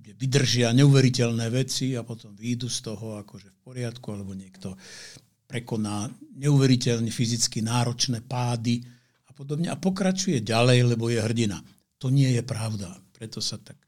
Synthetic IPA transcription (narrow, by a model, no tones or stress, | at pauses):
ɟɛʋid̪r̩ʒɪaɲɛuʋɛɾicɛlnɛːʋɛt͡siapɔt̪ɔmʋiːd̪ust̪ɔɦɔakɔʒɛfp̚ɔɾɪat̪kualɛbɔɲɪɛkt̪ɔ | pɾɛkɔnaːɲɛuʋɛɾicɛlɲɛfizit͡skinaːɾɔt͡ʃnɛːpaːd̪i | apɔd̪ɔbɲɛʔapɔkɾat͡ʃujɛɟalɛjlɛbɔjɛɦr̩ɟina | t̪ɔɲɪɛjɛpɾaʊd̪apɾɛt̪ɔsat̪ak